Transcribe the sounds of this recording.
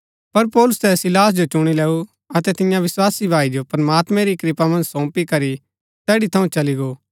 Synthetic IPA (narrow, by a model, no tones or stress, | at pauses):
pɐɾpɔːlʊst̪ɛsɪlaːs̬d͡ʒot͡ʃʊɽ̃ilɛːu | ɐt̪ɛt̪ɪ̃jãʋɪswaːsibʱaːid͡ʒopɾɐmaːt̪mɛ̃ɾikɾɪpamɐ̃nd͡ʒsɔ̃ːpikɐɾi | tɛːɽit̪ʰɐũt͡ʃɐliɡoː